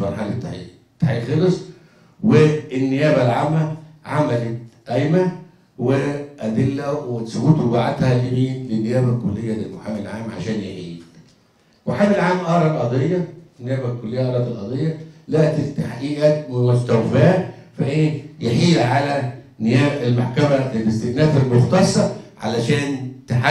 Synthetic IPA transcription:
fɑɾˤħalet̪ːaḭ | t̪ːaħilxelesˤ | weːnːejæːbælʕamːæʕamælet̪ʔæjmæ | weʔæd̪elːæwesoɡuːt̪baʕat̪hælimiːnlenːejæːbælkolːejːæd̪elmoħaːmelʕaːmʕa̰ʃæːnjeħiːl | moħaːmelʕaːmʔɑːɾˤɑlʔɑd̪ˤejːɑnːejæːbælkːolːejːæʔɑːɾˤɑːt̪elʔɑd̪ˤejːɑlæʔt̪it̪ːaħʔiːʔæːt̪wost̪æwfæː | fæʔeːjeħiːlʕalæ | nɪjæːbelmaħkæmæbɪst̪eɡnæːfelmoxt̪ɑsˤːɑʕa̰læʃæːnt̪aħa

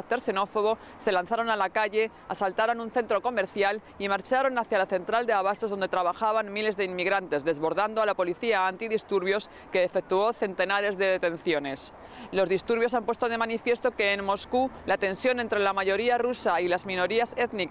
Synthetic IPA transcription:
t̪e̞ɾse̞no̞fo̞β̞o̞ | se̞lanθaɾo̞nalakaʝe̞ | asalt̪aɾo̞nunθe̞nt̪ɾo̞ko̞me̞ɾθjal | imaɾt͡ʃaɾo̞naθjalaθe̞nt̪ɾald̪e̞aβ̞ast̪oðo̞nd̪et̪ɾaβaxaβanmile̞zðeimmiɣɾant̪e̞zðe̞zβo̞ɾðand̪oalapo̞liθiaːnt̪iðist̪uɾβ̞jo̞s | ke̞ːfe̞k̚t̪uo̞θe̞nt̪e̞naɾe̞zðe̞ðe̞t̪e̞n̟θjo̞ne̞s | lo̞zðist̪uɾβjo̞sampwe̞st̪o̞ð̞e̞manifje̞st̪o̞ke̞ːnmo̞skulat̪e̞nsjo̞nent̪ɾelamaʝo̞ɾiarusailazmĩno̞ɾiase̞t̪ni

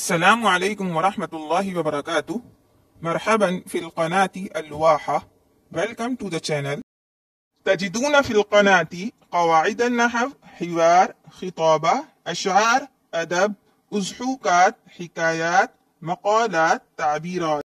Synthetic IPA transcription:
ʔasːalaːmʕalajkʊmwɑɾˤɑħmat̪lˤːɑːɦiwɑbɑɾˤɑkaːt̪ʊh | mɑɾˤħabanfilqɑnaːt̪iʔalːwaːħa | balkamt̪ud̪at͡ʃanal | t̪ad͡ʒid̪uːnafilqɑnaːt̪iqɑwaːʕɪd̪anːaħavħɪwɑːɾˤxɨt̪ˤɑːba | ʔaʃʕɑːɾˤ | ʔad̪ab̚ | ʔʊzħuːkaːt̪̚ħɪkaːjaːt̪̚ | mɑqɑːlaːt̪ːaʕbiːɾaːt̪

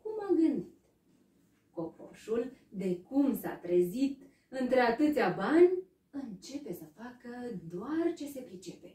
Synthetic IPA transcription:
kumaɡɨnd̪it̪ | ko̞po̞̰ʃuld̪e̞kumsa̰t̪ɾezit̪ | ɨnt̪ɾe̞at̪ɨt̪sʲabanʲ | ɨnt͡ʃe̞pe̞səfakəd̪oart͡ʃe̞se̞pɾit͡ʃe̞pe̞̥

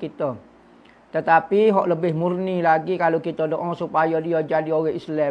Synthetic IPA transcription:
kit̪ə | t̪ət̪apiɦɔʔləbɪhmurnilaɡikalokit̪ədoʔɔsupajɔdiəd͡ʒadioɣɛhisla

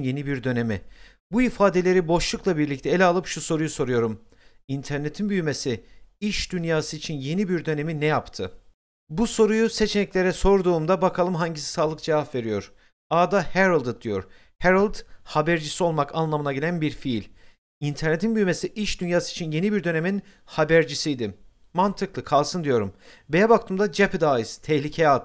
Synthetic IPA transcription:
nje̞nibiɾd̪ø̞ne̞mḭ | buifaːd̪e̞lʲe̞ɾibo̞ʃlˠuklˠabiɾlʲic̚t̪ʰɛːlʲɛalˠɯpʃuso̞ɾujuso̞ɾujo̞ɾum | int̪ʰæɾne̞t̪ʰinbyjyme̞siiʃd̪ynjaːsɯit͡ʃʰinje̞nibiɾd̪ø̞ne̞minɛjapt̪ʰɯ | buso̞ɾujuse̞t͡ʃʰe̞nɛclʲe̞ɾɛso̞ɾd̪uːmd̪abakʰalˠɯmɦaɲɟisi̥saːlˠɯk̚d͡ʒevafve̞ɾijo̞̰ɾ̥ | aːd̪ahæɾalˠd̪ɯd̪ijo̞̰ɾ | hæɾalʲˠd̪habæɾd͡ʒisio̞lˠmakʰanlˠamɯnaɟilʲænbiɾfilʲ | int̪ʰæɾne̞t̪ʰinbyjme̞siʔiʃd̪ynjaːsɯit͡ʃʰinje̞nibiɾd̪ø̞ne̞min | habæɾd͡ʒisijd̪ɪ | mant̪ʰɯklˠɯkʰalˠsɯnd̪ijo̞ɾumbe̞jɛbakt̪ʰɯːmd̪ad͡ʒɛpʰd̪aːjɯzt̪ʰɛçlʲicʰejɛt̪

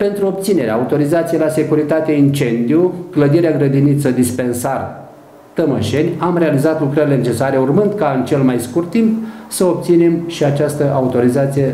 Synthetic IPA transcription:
pe̞nt̪ɾuob̚t̪sine̞ɾeaut̪o̞ɾizat̪sijelase̞kuɾit̪at̪e̞int͡ʃe̞nd̪ijukləd̪iɾeaɡɾəd̪init̪səd̪ispe̞nsar | t̪əməʃe̞nʲamre̞alizat̪lukɾəɾile̞ne̞t͡ʃe̞saɾe̞urmɨnd̪kaɨnt͡ʃe̞lmajskurt̪ːimpsəob̚t̪sine̞mʃiat͡ʃast̪əʔaut̪o̞ɾizat̪sije̞

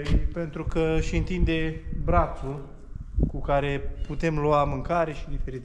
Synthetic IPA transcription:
pe̞nt̪ɾukəʃiɨnt̪ind̪e̞bɾat̪sul | kukaɾe̞put̪e̞mluwamɨŋkaɾe̞ʃid̪ife̞ɾit̪

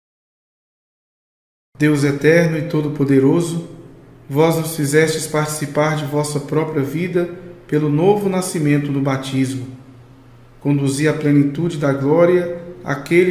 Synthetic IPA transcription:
d̪ewzɛt̪ɛɾnʊɪt̪od̪ʊpod̪eɾozʊvɔznʊsfizɛst͡ʃɪspaɾt͡ʃi̥sipaɾd͡ʒɪvɔsɐpɾɔpɾiɐvid̪ɐpelʊnovʊnasimẽnt̪ʊd̪ʊbat͡ʃizmʊ | kõnd̪uziɐplenit̪ud͡ʒɪd̪ɐɡlɔɾiɐa̰kel

